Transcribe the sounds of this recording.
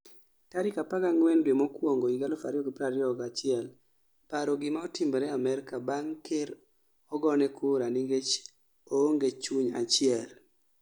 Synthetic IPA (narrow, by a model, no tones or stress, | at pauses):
taɾɪkapaɡaŋwɛndwemɔkwoŋɡoiɡalofa̰ɾjɔɡpɾaɾjɔɡat͡ʃɪɛl | paɾɔɡɪmaɔtɪmbɔɾɛamɛɾkabaŋkeɾ | ɔɡɔnɛkʰʊɾaniŋɡet͡ʃ | oŋɡet͡ʃuɲa̰t͡ʃɪɛl